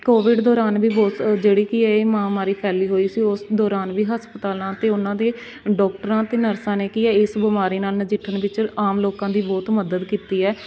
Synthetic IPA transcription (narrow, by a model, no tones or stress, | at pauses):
koːʋɪɖd̪ɔːɾaːnʋiːbɔːt̪d͡ʒeːɽiːkiɛːeːmãːmaːɾiːpʰɛːliːɦoːiːsiːʊsd̪ɔːɾaːnʋiːɦəspət̪aːlãːt̪eːʊnãːd̪eː | ɖɔːk̚ʈəɾãːt̪eːnəɾsãːneːkiːɛːɪsbɪmaːɾiːnaːlnəd͡ʒɪʈʰːəɳʋɪt͡ʃaːmloːkãːd̪iːbɔːt̪məd̪əd̪kiːt̪iːɛː